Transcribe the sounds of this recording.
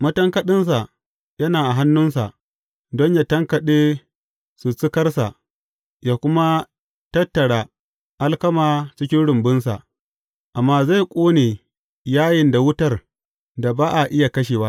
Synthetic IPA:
mɐ˦tɐ˦ŋkɐ˦ɗɪ˦ns̬a˨ | jɐ˦naː˨ʔa˨ɦa˦nːʊ˦nsa˨ʔ | dɔ˦ɲjaː˨tɐ˦ŋkɐ˨ɗeː˦ | su˨t͡sɪ˦kɐ˦rsa˨ʔ | jaː˨kʷʊ˦ma˦ | tɐ˦tːɐ˨ɽa˨ | ʔa˦lkɐ˦maː˨t͡ʃɪ˦kʲɪ˦nɽʊ˨mbʊ˦nsa̰˨ʔ | ʔa˨mːaː˦za˦˨kʷʼoː˦neː˨ | jaː˦jɪ˨nda˨wʊ˦tɐ˦˨r | da˨baː˦ʔa˨ʔɪ˦ja˨kɐ˦ʃ̬eː˨wa˦

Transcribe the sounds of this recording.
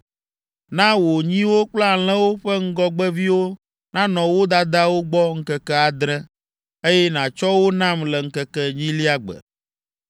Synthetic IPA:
nã˦wo˨ɲĩ˦wo˦k͡pla˦˨l̃ɛ̃˦wo˦ɸɛ˦ŋ̩˦ɡɔ˦ɡ͡bɛ˦vi˦wo˦ | nã˦nɔ̃˨wo˦d̪a˦d̪a˦wo˦ɡ͡bɔ˦ŋ̩˦kɛ˦kɛ˦a˨d̪ɾɛ̃˦ | e˦jɛ˦nã˨t͡ʃɔ˦wo˦nã˦˨mlɛ˨ŋ̩˦kɛ˦kɛ˦ɲĩ˦li˦a˦ɡ͡bɛ̰˨

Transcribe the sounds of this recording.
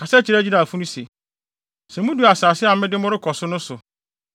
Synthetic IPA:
kʰa˨sɛ˦t͡ɕʰɪ˨ɾæ˦d͡ʑi˦da˨fũ˦nʊ̃˦se˨ | sɛ̃˨mũ˦du˦˨a˨saː˨sɪ˦a˨˦mɪ̃˦dɪ˦mʊ̃˦ɾɪ˦kʰɔ˨sʊ˦nʊ̃˦sʊ˨

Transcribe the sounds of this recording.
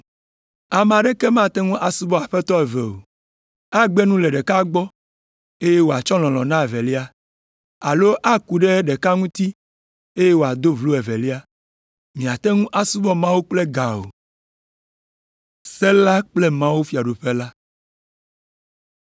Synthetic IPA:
a˨mã˨ɖɛ˦kɛ˦mã˦˨t̪ɛ˦ŋũ˦ʔa˨su˦bɔ˦a˨ɸɛ˦t̪ɔ˦ɛ˨vɛ˨o̰˨ | a˦ɡ͡be˦nũ˦lɛ˨ɖɛ˨ka˦ɡ͡bɔ˦ | e˦je˦wo˨a˨t͡ʃɔ˦l̃ɔ̃˨lɔ̃˨nã˦e˨vɛ˨li˦a˦ | a˨lo˦ʔa˦ku˨ɖe˦ɖɛ˨ka˦ŋũ˦t̪i˦ | e˦je˦wo˨a˨d̪o˦vlu˦ɛ˨vɛ˨li˦a˦ | mĩ˨a˨t̪ɛ˦ŋũ˦ʔa˦su˦bɔ˦mã˦wu˦k͡ple˦ɡa˨o̰˨ | sɛ˦la˦k͡plɛ˦mã˦wu˦fi˨a˨ɖo˨ɸe˦la˦

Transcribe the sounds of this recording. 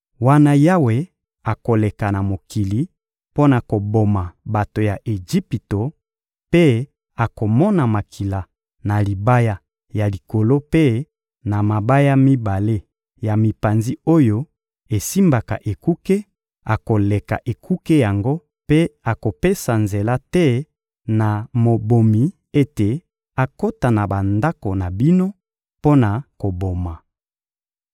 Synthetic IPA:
wa˦na˦ja˦we˨ | a˨ko˨le˨ka˨na˨mo˨ki˨li˨ | po˦na˨ko˨bo˨ma˨ba˨to˨ja˨ʔe˨ʒi˦pi˨to˨ | pe˦ | a˨ko˨mɔ˦na˨ma˨kʰi˨la˨ | na˨li˨ba˦ja˦ | ja˨li˨ko˨lo˦pe˦ | na˨ma˨ba˦ja˦mi˦ba˨le˦ | ja˨mi˨pa˨nzi˦o˦jo˦ | e˨si˦mba˨ka̰˨ʔe˨ku˦ke˦ | a˨ko˨le˨ka̰˨ʔe˨kʰu˦ke˦ja˨ŋɡo˦ | pe˦a˨ko˨pe˦sa˨nze˨la˦tɛ˦ | na˨mo˨bo˨mi˨ | e˦te˨ | a˨ko˦ta˨na˨ba˨nda˦ko˨na˨bi˦no˦ | po˦na˨ko˨bo˨ma˨

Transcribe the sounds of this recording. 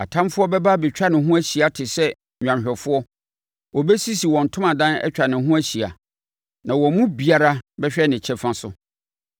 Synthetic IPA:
a̰˨tʰã˦mfʊ˦ɔ˦bɛ˦ba˦bɛ˨t͡ɕᶣa˦nɪ̃˨ɦũ˦æ˦ɕi˨a˨tʰɪ˨sɛ˦ | ɲᶣã˨nɕᶣɛ˨fʊ˦ɔ˦ | wɔ˨bɛ˦si˦si˨wɔ̃˨n̩˨tʰʊ̃˦mã˨dã˦nɛ̰˦t͡ɕᶣa˨nɪ̃˨ɦũ˦æ˦ɕi˨a̰˨ | nã˨wɔ̃˨mũ˦bi˨a˨ɾa˦bɛ˦ɕᶣɛ˦nɪ̃˨t͡ɕʰɛ˦fã˦sʊ˦

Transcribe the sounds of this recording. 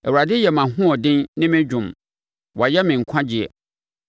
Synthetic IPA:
ɛ˨wu˨ɾa˨dɪ˦jɛ˨mã˨ɦʊ̃˦ɔ˨dɪ̃˦nnɪ̃˦mɪ̃˦d͡ʑᶣʊ̃˨m | wɔ˨jɛ˦mɪ̃˨ŋ̩˨kʷʰã˦d͡ʑi˨ɛ̰˨

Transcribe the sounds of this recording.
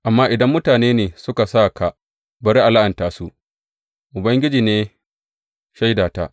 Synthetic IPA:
ʔa˨mːaː˦ʔɪ˨dɐ˦mːʊ˦taː˨neː˦neː˨sʊ˦ka˨saː˦˨ka˨ | bɐ˨ɾi˦ʔa˨la˦ʔɐ˨ntaː˨su˦ʔ | ʔʊ˨bɐ˦ŋɡʲɪ˦d͡ʒiː˨neː˦ | ʃa˦jdaː˨ta̰˦ʔ

